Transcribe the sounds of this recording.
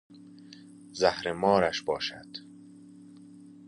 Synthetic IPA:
zæhɾemɒːɾæʃbɒːʃæ̰d̪̥

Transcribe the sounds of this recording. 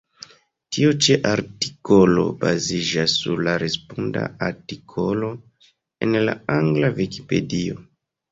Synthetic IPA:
tʰiot͡ʃeʔaɾti̥ko̞lo̞̰bazid͡ʒasːuɾlaɾespunda̰aɾtikʰo̞lo̞ | enla̰aŋɡlaviki̥pe̞̰dio̞

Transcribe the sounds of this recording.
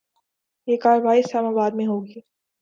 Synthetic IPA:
jeːkaːɾəʋaːiɪslaːmaːbaːd̪̚mẽɦoːɡiː

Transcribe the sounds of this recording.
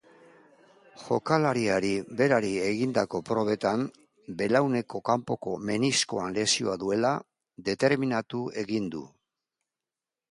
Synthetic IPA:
ʝo̞kalaɾiaɾiβe̞ɾaɾie̞ɣind̪ako̞pɾo̞β̞e̞t̪an | be̞lawne̞ko̞kampo̞ko̞me̞nisko̞anle̞sio̞aðue̞la | d̪e̞t̪e̞ɾminat̪ue̞ɣind̪ṵ

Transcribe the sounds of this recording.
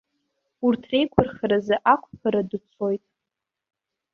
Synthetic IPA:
urtʰre̞jkʷʰʊrχaɾazɨʔakʷʰʼpʰaɾadɨt͡sʰo̞jtʼ

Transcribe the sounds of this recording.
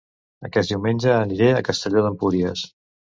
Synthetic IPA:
ə̰kɛt̪d̪iwmenʲd͡ʒəːniɾeəkəst̪əʎoðəmpuɾiəs

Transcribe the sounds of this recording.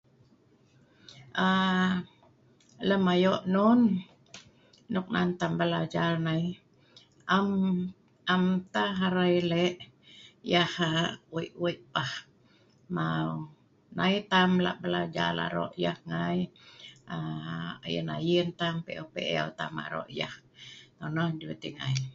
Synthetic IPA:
ʔa | ləmajoʔnun | ɔk̚nant̪ambəlad͡ʒarnaj | am | amt̪aɦaɾajleʔ | jahawiʔuiʔ̚pah | maw | najt̪amla̰ʔbəlad͡ʒa̰la̰ɾo̰ʔjahŋaj | aa̰jə̰najint̪ampeʔopeʔewt̪a̰ma̰ʔɾo̰ʔjaht̪onohdiwet̪iŋaj

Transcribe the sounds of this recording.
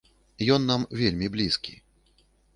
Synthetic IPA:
jɔnːamvʲelʲmʲiblʲiskʲḭ

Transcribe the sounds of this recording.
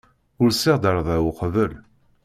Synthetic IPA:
ʊɾsiʁd̪əɾˤðˤæwʊqvəl

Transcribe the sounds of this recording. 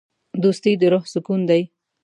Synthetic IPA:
d̪ust̪ijd̪əɾʊhsʊkund̪aj

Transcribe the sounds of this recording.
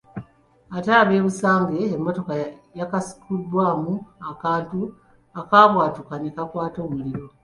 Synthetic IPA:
ataβe̞ːβusaːŋɡe̞ːmːo̞to̞kajakasi̥kudːwaːmuakaːntu | akaβwaːtukanekakwaːto̞ːmuliɾo̞

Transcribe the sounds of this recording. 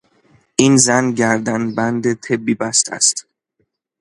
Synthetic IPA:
ʔiːnzænɟæɾd̪ænbænd̪et̪ʰebːiːbæst̪æ̰st̪

